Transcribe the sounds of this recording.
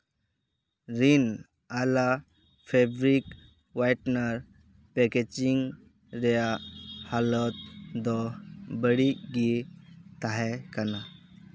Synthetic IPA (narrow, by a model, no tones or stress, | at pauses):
ɾin | ala | fʰebɾik | ʋajʈnəɾ | peked͡ʒiŋɡ | ɾejahalɔt̪̚d̪ɔbəɽiɡit̪aɦɛkana